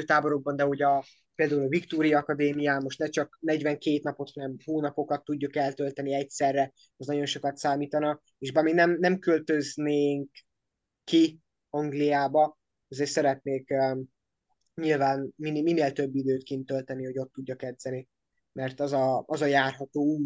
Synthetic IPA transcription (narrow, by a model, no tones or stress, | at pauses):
øːt̪aːbo̞ɾo̞ɡ̚bɒnd̪ɛɦoɟɒ | peːld̪aːulɒvikt̪oːɾijɒːkɒd̪eːmijaːmo̞ʃt̪nɛt͡ʃɒknɛɟvɛŋkeːt̪nɒpo̞t̪hɒnɛmɦoːnɒpo̞kɒt̪ːuɟːukɛlt̪ø̞lt̪ɛniɛcsɛrːɛ | ɛznɒɟo̞nʃo̞kɒt̪saːmiːt̪ɒnɒ | eːʒbɛmiɡnɛmnɛmkølt̪ø̞zneːŋkː | i | ɒŋɡlijaːbɒ | ɒzeːrsɛɾɛt̪neːk | ɲilvaːnminmineːlt̪ø̞bːid̪øːt̪kint̪ølt̪ɛniho̞ɟo̞t̪ːuɟːɒkɛd̪zɛni | mɛrt̪ɒzɒɒzɒjaːrɦɒt̪oːuː